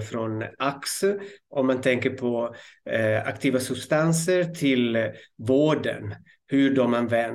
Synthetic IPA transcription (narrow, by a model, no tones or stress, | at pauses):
fɾɔnaksəɔmːant̪ʰɛŋkəɾpʰɔ | a̰kt̪ʰiːvasɵbst̪ansəɾt̪ʰɪlvoːɖə̰n | hɵɖɔmanvɛn